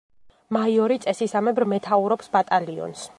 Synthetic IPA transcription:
maiɔɾit̪sʼɛsisamɛbɾmɛt̪ʰauɾɔpsbat̪ʼaliɔ̰ns

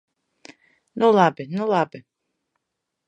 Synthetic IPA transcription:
nulˠabinulˠabɪ

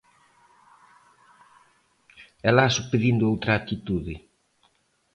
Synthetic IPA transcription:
ɛlaasupeðind̪ʊowt̪ɾaːt̪it̪uðɪ

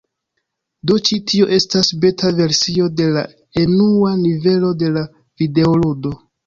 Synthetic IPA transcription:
do̞t͡ʃitʰio̞ʔe̞stasbe̞tave̞ɾsio̞de̞la̰ | enuanive̞lo̞de̞la | v̥ide̞oludo̞

